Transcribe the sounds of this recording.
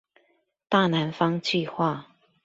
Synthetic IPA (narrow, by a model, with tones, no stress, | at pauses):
t̪a˥˩na˧˥nfɑ˥ŋt͡ɕy˥˧xwa˥˨